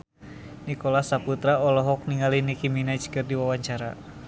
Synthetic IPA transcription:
nikɔlasaput̪ɾaɔlɔɦɔk̚niŋalinikiminat͡ʃkɨrdiwawaɲt͡ʃaɾa̰

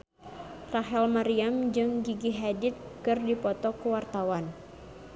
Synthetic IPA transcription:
raɦɛlmaɾiamd͡ʒɨŋɡiɡiɦadɪt̪̚kɨrdipɔt̪ɔkuwart̪awan

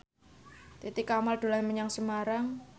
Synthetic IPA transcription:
t̪it̪ikamalɖ̪̥o̤laməɲaŋsəmaɾaŋ

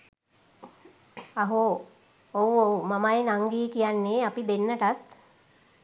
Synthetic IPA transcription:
aɦo | owowmamajenaŋɡiːkijanːeːapid̪enːəʈat̪

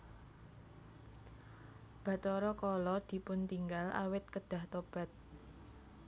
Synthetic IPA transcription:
b̥ä̤t̪ɔɾɔkɔlɔd̪̥i̤pʊnt̪iŋɡala̰wɪt̪̚kəɖ̥a̤ht̪ob̥a̤t̪̚

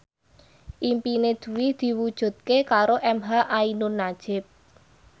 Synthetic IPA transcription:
ʔimpined̪̥ṳwɪd̪̥i̤wud̥ʒ̥ṳt̪̚kekaɾoʔɛmɦaʔainʊnːḁʒ̥ɪp̚

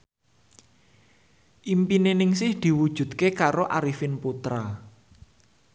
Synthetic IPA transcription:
ʔimpinenɪŋsɪhd̪̥i̤wud̥ʒ̥ṳd̪̚kekaɾoʔaɾifɪnput̪ɾa

